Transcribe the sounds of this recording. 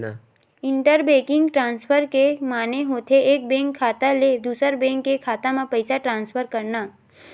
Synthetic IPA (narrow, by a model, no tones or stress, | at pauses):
ɪ̃ɳʈəɾbeːkɪ̃ŋɡʈɾãːnspʰəɾkemaːneɦoːt̪ʰeeːk̚bẽːŋkʰːaːt̪aled̪uːsəɾbẽːŋkːekʰaːt̪amãpəɪsaʈɾãːnspʰəɾkɐɾnaː